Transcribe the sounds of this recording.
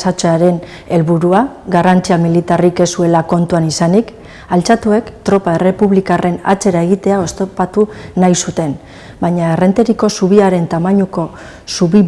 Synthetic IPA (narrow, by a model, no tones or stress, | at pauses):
sat͡ʃaɾe̞n | e̞lβuɾua | ɡarant͡siamilit̪arike̞sue̞lako̞nt̪uanisanik | alt͡sat̪ue̞kt̪ɾo̞pae̞re̞puβlikare̞na̰t͡se̞ɾae̞ɣ̞it̪e̞ao̞st̪opat̪unajsut̪e̞n | bajɲaere̞nt̪e̞ɾiko̞suβ̞iaɾe̞nt̪amaɲuko̞ | suβi